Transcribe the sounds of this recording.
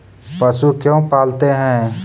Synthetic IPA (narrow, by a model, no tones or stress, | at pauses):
pəsukjõːpaːlt̪eɦɛ̃ː